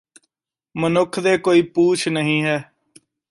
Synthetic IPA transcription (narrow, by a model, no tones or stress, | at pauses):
mənʊkʰd̪eːkoːiːpuːt͡ʃʰnəɦĩːɦɛː